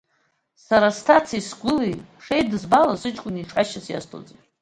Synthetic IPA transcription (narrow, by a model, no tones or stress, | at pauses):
saɾastʰat͡sʰaisɡʷʊliʂejt̚dɨzbalazʷɨt͡ʃʼkʷʼʊniʂħaʃasja̰stʰʼo̰d͡zetʼ